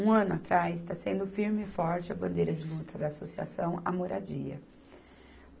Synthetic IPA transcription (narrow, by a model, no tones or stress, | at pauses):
ũɐ̃nʊat̪ɾasɪst̪asẽnd̪ʊfiɾmɪɪfɔɾt͡ʃɪɐbɐ̃nd̪ejɾɐd͡ʒɪlut̪ʰɐd̪ɐːsosia̰sɐ̃w̃amoɾa̰d͡ʒiɐ̰